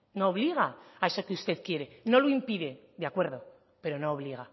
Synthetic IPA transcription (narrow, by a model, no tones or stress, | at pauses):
noːβliɣ̞aaesokeust̪e̞ðkje̞ɾe̞no̞loimpiðe̞d̪eakwe̞ɾð̞o̞ | pe̞ɾo̞noːβ̞liɣ̞a